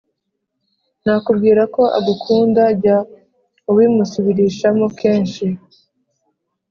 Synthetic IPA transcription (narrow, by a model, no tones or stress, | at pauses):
n̥aːkubɡiːɾako̞ʔa̰ɡukʰuːndaɟa | uwiːmusuβiɾiːʃamo̞ke̞ːnʃi